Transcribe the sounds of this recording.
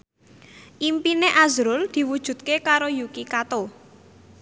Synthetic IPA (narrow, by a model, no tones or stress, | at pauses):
ʔimpineʔazɾʊld̪̥i̤wud̥ʒ̥ṳt̪̚kekaɾojukikat̪o